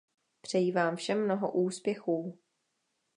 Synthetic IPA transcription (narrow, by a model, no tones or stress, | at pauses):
pr̝̥ɛjivaːmfʃɛmːnoɦo̰ʔuːspjɛxuː